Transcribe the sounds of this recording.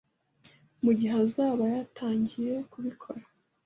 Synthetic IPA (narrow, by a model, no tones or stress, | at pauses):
muɟiɦazaːβajatʰaːɲɟije̞kuβikʰo̞ɾḁ